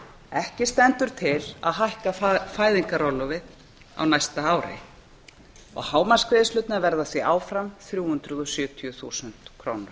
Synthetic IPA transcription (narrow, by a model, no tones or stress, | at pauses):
ɛhcɪst̪ɛnt̪ʏɾ̥t̪ʰɪla̰ðɦajhkafaːjðiŋkaɾɔlɔvɪð | a̰wnajst̪aaːwɾɪ̰ | ɔ̰ɣhaːwmanskvɪðɪslʏt̪navɛɾðaθviʔaːwfɾamθɾjuːhʏnt̪ɾʏðɔsjʏːt̪ʰiʏθuːsʏnt̪kʰɾoːwnʏɾ̥